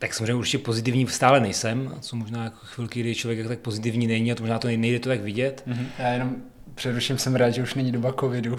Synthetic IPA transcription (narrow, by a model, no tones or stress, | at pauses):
t̪aksamozreɛɲɛuɾt͡ʃɪcɛpo̞zɪt̪ɪvɲiːst̪aːlɛnɛjsɛmt͡somoʒnaːjakoxvɪlkɪɡdɪt͡ʃlovjɛkjakot̪ak̚pozɪt̪̬ɪvɲiːnɛɲiat̪moʒnaːt̪onɛjdɛt̪ot̪aɡvɪɟɛt̪ɦjaːjɛnom | pr̥ɛɾuʃɪmsɛmɾaːt̪ʒɛuʃnɛɲidobakovɪdu